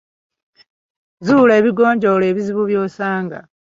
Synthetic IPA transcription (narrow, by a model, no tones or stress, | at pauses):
zuːle̞ːβiɡo̞ːɲɟo̞le̞ːβiziβuβjo̞ːsaːŋɡa̰